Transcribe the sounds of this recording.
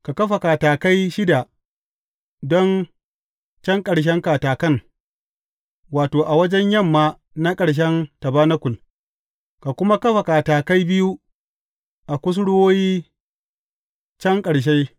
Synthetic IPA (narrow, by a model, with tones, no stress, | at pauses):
ka˨kɐ˦ɸa˨kaː˨taː˨ka˦jʃɪ˦da˨ | dɔ˦n | t͡ʃɐ˦ŋkʼɐ˨ɽʃ̬ɛ˦ŋka˨taː˨kɐ˦ŋ | waː˨toː˨ʔa˨wɐ˦d͡ʒɛ˦ɲjɐ˦˨mːaː˨˦ | na˦kʼɐ˨ɽʃ̬ɛ˦ntɐ˨baː˦na˦kʷʊ˨l | ka˨kʷʊ˦ma˦kɐ˦ɸa˨kaː˨taː˨ka˦jbɪ˦ju˦ | ʔa˨kʷʊ˦s̬ɽʊ˦woː˦jiː˦ | t͡ʃɐ˦ŋkʼɐ˨ɽʃ̬e˦